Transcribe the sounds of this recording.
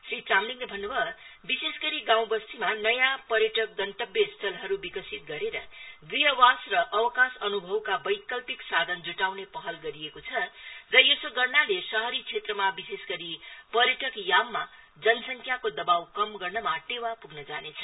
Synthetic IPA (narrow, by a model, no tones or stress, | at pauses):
srit͡samliŋlebʱʌnːubʱʌbisesɡʌɾiɡãw̃bʌst̪imanʌjãpʌɾjʌʈʌk̚ɡʌnt̪ʌbjʌst̪ʰʌlɦʌɾubikʌsit̪̚ɡʌɾeɾʌd̪ijʌwasrʌʔːwʌkasʌnubʱʌwkabʌjkʌlpiksad̪ʱʌnd͡zuʈawnepʌɦʌlɡʌɾijekot͡sʰʌrʌjesoɡʌrnalesʌɦʌɾit͡sʰet̪rʌmabisesɡʌɾipʌɾjʌʈʌkjamːa | d͡zʌnʌsʌŋkʰjakod̪ʌbawkʌmɡʌrnʌmaʈewapuɡnʌd͡zanet͡sʰʌ̥